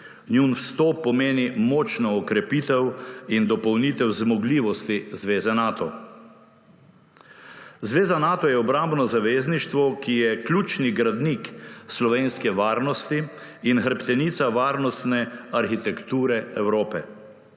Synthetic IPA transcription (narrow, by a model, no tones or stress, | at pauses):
njunfst̪opːɔmeːnimɔːt͡ʃnɔːkɾɛpit̪ɛwind̪ɔpɔwniːt̪ɛwzmɔɡliːʋɔst̪izʋeːzɛnaːt̪ɔ | zʋeːzanaːt̪ɔjɛɔbɾambnɔzaʋeːzniʃt̪ʋɔkijɛklʲuːt͡ʃniɡɾad̪nikslɔʋeːnskɛʋaːɾnɔst̪iː | nxəɾpt̪ɛnit̪saʋaːɾnɔst̪nɛaɾxit̪ɛkt̪uːɾɛɛwɾoːpɛ